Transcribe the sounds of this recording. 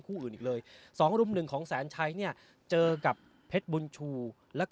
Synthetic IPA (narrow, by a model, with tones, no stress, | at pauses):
kʰuː˥˩ʔɯː˨˩nʔiː˨˩k̚lɤː˧jsɔː˩˦ŋɾu˧mnɯ˨˩ŋkʰɔː˩˦ŋsɛː˩˦nt͡ɕʰa˧˥jni˥˩ɐ | t͡ɕɤː˧ka˨˩pʰːe˦˥t̪̚bu˧nt͡ɕʰuː˧ | lɛː˦˥wk